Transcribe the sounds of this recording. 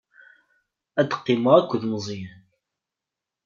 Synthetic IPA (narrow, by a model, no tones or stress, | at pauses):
æd̪ə̥qːiməækʷːðmzˤjæn